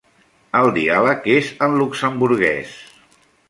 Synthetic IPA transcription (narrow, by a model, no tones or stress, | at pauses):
əlˠd̪ialəkezənluksəmbuɾɣɛ̰s